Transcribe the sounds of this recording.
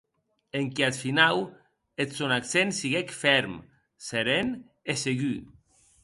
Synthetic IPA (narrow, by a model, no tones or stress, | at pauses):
eŋkeat̪finaw | et̪sonaksensiɣekfɛɾm | seɾen | eseɣy